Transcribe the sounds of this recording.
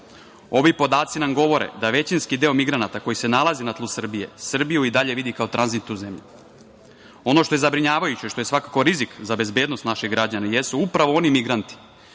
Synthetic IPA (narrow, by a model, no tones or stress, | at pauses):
o̞ʋipo̞d̪aːt̪sinamɡo̞ʋo̞ɾḛd̪aʋe̞t͡ɕinskid̪e̞o̞miɡɾanat̪ako̞jise̞nalazinat̪lˠusr̩bije̞̰sr̩bijuid̪aʎe̞ʋid̪ikao̞t̪ɾanzit̪ːuze̞mʎu | o̞no̞ʃt̪o̞je̞zabɾiɲaːʋajut͡ɕeʃt̪o̞je̞sʋakako̞ɾizikzabe̞zbe̞ːd̪nost̪naʃeɡɾad͡ʑanaje̞suupɾaʋo̞o̞nimiɡɾant̪i̥